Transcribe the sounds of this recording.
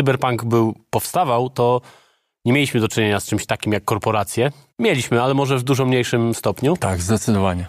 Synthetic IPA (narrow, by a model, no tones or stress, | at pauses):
ɨbɛɾpaŋɡbɘwpɔfst̪avawt̪ɔ | ɲɛmʲeiɕmɘd̪ɔt͡ʂɘɲeɲast͡ʂɘmɕt̪akʲimjakːɔɾpɔɾat̪sʲjɛ | mʲjelʲiɕmɘalɛmɔʐɛvd̪uʐɔmɲejʂɘmst̪ɔpɲut̪aɡzd̪ɛt̪sɨd̪ɔvaɲɛ